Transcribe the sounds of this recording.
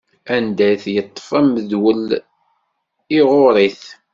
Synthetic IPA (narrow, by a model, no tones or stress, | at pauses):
ænd̪æθjət̪ˤːə̥fæməðwəl | iʁoɾˤiθ